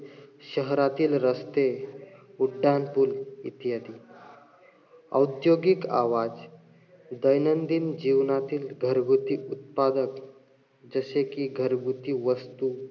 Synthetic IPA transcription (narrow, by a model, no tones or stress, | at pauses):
ɕəɦɾat̪iːlɾəst̪e | uɖːanpulit̪jad̪iː | ə̰wt̪joɡika̰ʋad͡z | d̪əjnənd̪ind͡ʑiʋnat̪iːlɡʱəɾɡʱut̪iut̪̚pad̪ək | d͡zəsekiɡʱəɾɡut̪iːʋəst̪u